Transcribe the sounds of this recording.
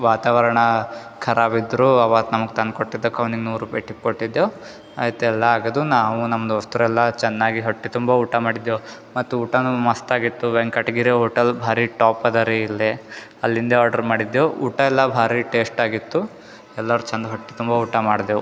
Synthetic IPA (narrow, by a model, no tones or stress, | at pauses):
ʋaːt̪aːʋɐɾɐɳɐ | kʰɐɾaːbid̪ːɾuːɐʋaːt̪nɐmɐɡt̪ɐnkoʈːid̪ːokɐʋniŋɡnuːɾuːpɐjʈip̚koʈːid̪ːjo | aːjɐt̪ːeɛlːɐaːɡɐd̪unaːʋunɐmːɐd̪ɐst̪uɾɛlːɐt͡ʃɛnːaːɡiɦoʈːit̪umbɐuːʈɐmaːɽid̪jo | mɐt̪ːuuːʈɐnumɐst̪aːɡit̪ːuʋeŋɡkɐʈɡiːɾeɦoːʈɐlbʱaːɾiʈaːpɐd̪ɐɾiilːe | ɐlːind̪ɐaːɾɖɐɾmaːɽid̪jouːʈɐɛlːɐbʱaːɾiʈe̞ːsʈaːɡit̪ːu | ɛlːɐɾut͡ʃɐnd̪ɐɦoʈːi̥t̪umbɐuːʈɐmaːɽd̪eːʋu